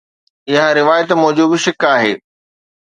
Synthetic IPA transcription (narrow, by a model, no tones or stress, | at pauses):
ɪɦəɾɪʋaːjət̪mʊɦd͡ʑubɪʃɪkaːɦeː